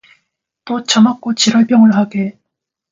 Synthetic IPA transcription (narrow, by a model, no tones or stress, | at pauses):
t͈ot͡ɕʌmak͈ot͡ɕiɾʌɭp͈jʌŋɯɭɦaɡe